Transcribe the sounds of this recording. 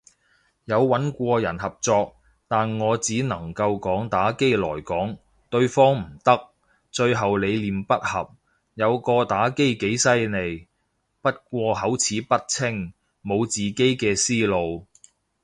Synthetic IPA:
jɐ˨˧wːɐ˨˥nkʷɔː˧jɐ̰˨˩nhɐ˨p̚t͡sɔː˧k̚ | t̪aː˨nŋɔː˨˧t͡siː˨˥nɐ˨˩ŋkɐ˧wkɔː˨˥ŋt̪aː˨˥ke˥jlɔː˨˩jkɔː˨˥ŋ | t̪ɵ˧ɥfɔː˥ŋm̩˨˩t̪ɐ˥k̚ | t͡ʃɵ˧ɥɦɐ˨wle˨˧jliː˨mpɐ˥t̚hɐ˨p̚ | jɐ˨˧wkɔː˧t̪aː˨˥ke˥jke˨˥jsɐ˥jne˨˧j | pɐ˥t̚kʷɔː˧ɦɐ˨˥wt͡sʰiː˨˥pɐ˥t̚t͡sʰɪ˥ŋ | mo˨˧wt͡siː˨˩ke˥jkɛː˧siː˥lo˨˧w

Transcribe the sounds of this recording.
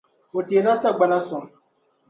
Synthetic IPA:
o˨te˨˦la˦sa˦ɡ͡ba˦na˦sɔ˨ŋ

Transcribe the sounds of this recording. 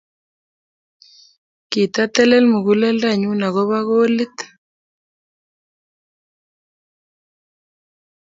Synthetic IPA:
ki˨t̪a˦t̪ɛ˦lɛ˦lmu˨ɣu˦lɛ˦lda˦˨ɲu˦na˨ɣo˦βa˦ɣo˦li˦t̪

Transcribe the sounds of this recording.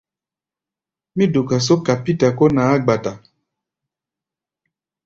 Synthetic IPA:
mĩ˦du˨ka˨s̬o˦ka˨pi˦ta˨ko˦na˨˦a˦ɡ͡ba˨ta˨

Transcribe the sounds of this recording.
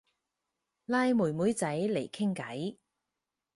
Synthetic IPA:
laː˧jmuː˨˩jmuː˨˥jt͡sɐ˨˥jle˨˩jkʰɪ˥ŋkɐ˨˥j

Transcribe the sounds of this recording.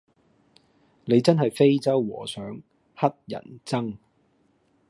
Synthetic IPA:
ne˨˧jt͡sɐ˥nɦɐ˨jfe˥jt͡sɐ˥wwɔː˨˩sœː˨˥ŋ | hɐ˥t̚jɐ̰˨˩nt͡sɐ˥ŋ

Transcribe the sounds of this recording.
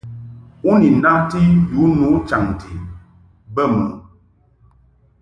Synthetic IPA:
u˦ni˨na˦ti˦ju˨˦nu˨˦t͡ʃa˨ŋ˨ti˨ | bə˦mṵ˨

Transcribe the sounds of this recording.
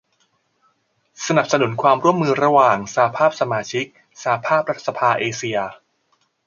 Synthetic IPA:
sa˧na˨˩p̚sa˧nu˨˩˦nkʰwaː˧mɾu˥˩əmːɯː˧ɾa˧waː˨˩ŋsaː˩˦pʰaː˥˩p̚sa˧maː˧t͡ɕʰi˦˥k̚ | sa˩˦pʰaː˥˩p̚ɾa˦˥t̪̚sa˧pʰaː˧ʔeː˧si˧ɐ

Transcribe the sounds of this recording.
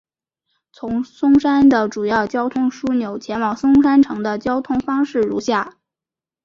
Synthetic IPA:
t͡sʰʊ˧˥ŋsʊ˥ŋʂa˥nd̪ə˨ʈ͡ʂu˨˩jɑ˥˩ʊt͡ɕjɑ˥ʊt̪ʰʊ˥ŋʂu˥njo˨˩ʊt͡ɕʰjɛ˧˥nwɑ˨˩ŋsʊ˥ŋʂa˥nʈ͡ʂʰɤ˧˥ŋd̪ə˧t͡ɕjɑ˥ʊt̪ʰʊ˥ŋfɑ˥ŋʂɻ̩˥˩ɻṵ˧˥ɕja˥˩

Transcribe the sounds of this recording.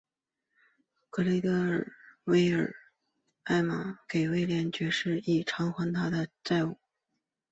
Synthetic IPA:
kɤ˧˥li˧˥t̪ɤ˥ə˨˩we˥ɪə˞˨˩ | a˥˩ɪma˨˩ke˨˩ɪwe˥ɪljɛ˧˥nt͡ɕɥɛ˧˥ʂɻ̩˥˩i˨˩ʈ͡ʂʰɑ˧˥ŋxwa˧˥ŋt̪ʰa˥d̪ə˧t͡sa˥˧ɪu˥˩

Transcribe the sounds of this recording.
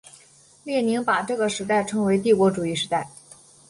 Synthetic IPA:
ljɛ˥˩ni˧˥ŋpa˨˩ʈ͡ʂɤ˥˩ɡə˩ʂɻ̩˧˥t̪a˥˩ɪʈ͡ʂʰɤ˧˥ŋwe˧˥ɪt̪̬i˥˩kwɔ˧˥ʈ͡ʂu˨˩i˥˩ʂɻ̩˧˥t̪a˥˩ɪ

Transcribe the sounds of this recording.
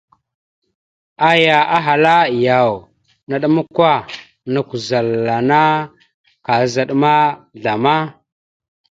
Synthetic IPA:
a˦ja˨ʔa˦ɦa˨la˦ja˨w | na˨ɗə˦ma˦kʷa˦ | nu˨ku˨za˨lːa˨na˦ | ka˨za˨ɗma˦ɮa˨ma˦

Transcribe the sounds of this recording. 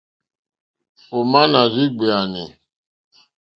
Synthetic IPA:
o˨ma˦na˨zi˦ɡ͡bi˨a˨nɪ˨

